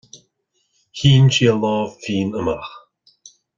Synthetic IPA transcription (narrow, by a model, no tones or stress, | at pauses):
hiːnʃiəlɔːvfiːnəmax